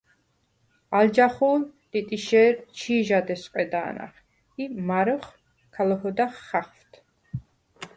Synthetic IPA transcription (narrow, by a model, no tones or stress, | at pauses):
ald͡ʒaχuːlt̪ʼit̪ʼiʃɛɾt͡ʃʰiːʒad̪ɛsqʼɛd̪aːna̰χ | imaɾɔχ | kʰalɔhɔd̪aχːaχft̪ʰ